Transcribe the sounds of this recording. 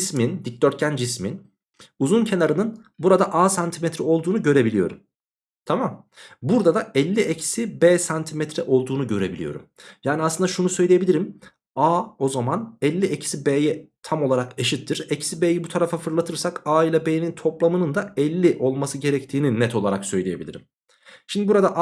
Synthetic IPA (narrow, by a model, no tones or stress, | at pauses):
smind̪ic̚d̪øɾt̪̚cʰænd͡ʒismin | uzuncʰe̞naɾɯnɯn | buɾad̪aʔaːsant̪ʰimɛt̪ʰɾɛo̞lˠd̪uːnuɟø̞ɾe̞bilʲijo̞ɾum | t̪ʰamam | buɾd̪ad̪aɛlʲːiʔecʰi̥sibeːsant̪ʰimɛt̪ɾɛʔo̞lˠd̪uːnuɟø̞ɾe̞̰bilʲḭjo̞̰ɾṵmjaːniasˠɯnd̪aʃunusø̞jlʲije̞bilʲiɾim | aːo̞zamanɛlʲːiecʰi̥sibeːjɛt̪ʰamo̞lˠaɾakeʃit̪ʰːiɾɛcʰi̥sibeːjibut̪ʰaɾafafɯɾlˠat̪ʰɯɾsakaːilʲabeːnint̪ʰo̞plˠamɯnɯnd̪aɛlʲːiʔo̞lˠmasɯɟe̞ɾɛct̪ʰiːninːɛt̪ʰo̞lˠaɾaksø̞jlʲieje̞bilʲḭɾim | ʃimd̪ibuɾad̪aʔ